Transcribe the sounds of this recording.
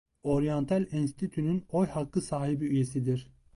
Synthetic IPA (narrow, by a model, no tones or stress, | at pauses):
oɾijont̪ʰælʲinsi̥t̪ʰit̪ʰynynojhakʰːɯsaːɦibiyjesid̪iɾ̥